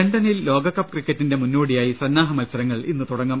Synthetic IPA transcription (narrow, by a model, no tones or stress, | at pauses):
eɳɖɐnilːo̞ːɡɐkːɐpkrikːɐtːinde̞munːuːɽijaːjisɐnːaːɦɐmɐlsɐɾɐŋːɐɭinːɨt̪uɽɐŋːɐm